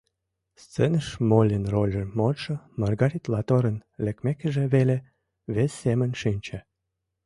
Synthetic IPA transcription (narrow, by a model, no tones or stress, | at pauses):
st͡senəʃmolʲinrolʲemoʃɤ | mɑrɣɑɾit̪lɑt̪oɾənlʲĕkmekəʒĕβele | βesːemə̆nʲʃinʲt͡ɕe